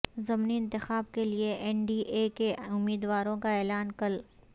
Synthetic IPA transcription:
zɐmniɪ̃nt̪ɪxaːb̚kelieʔɛɳɖiːʔeːkeʊmːiːd̪ʋaːɾõkaɛːlaːnkɐl

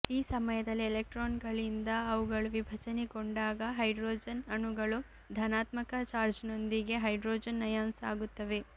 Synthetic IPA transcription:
iːsɐmɐjɐd̪ɐlːielek̚ʈɾoːnɡɐɭind̪ɐːʋuɡɐɭuʋibʱɐt͡ʃɐnekoɳɖaːɡɐɦɐjɖɾoːd͡ʒɐnɐnuɡɐɭu | d̪ʱɐnaːt̪mɐkɐt͡ʃaːɾd͡ʒno̞nd̪iɡe̞ɦɐjɖɾoːd͡ʒɐnːɐjaːnsaːɡut̪ːɐʋe̞

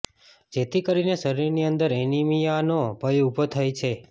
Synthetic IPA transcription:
d͡ʒet̪ʰikəɾinesəɾiɾniənd̪əɾenimijanobʱəjubʱot̪ʰəjt͡ʃʰe

